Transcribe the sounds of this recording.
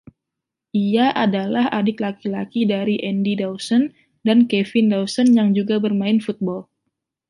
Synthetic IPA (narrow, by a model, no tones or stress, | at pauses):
ʔijaʔadalahadɪk̚lakilakidaɾiʔɛndidawsɔn | dankɛfɪndawsɔnjaŋd͡ʒuɡabərmaɪnfut̪̚bɔl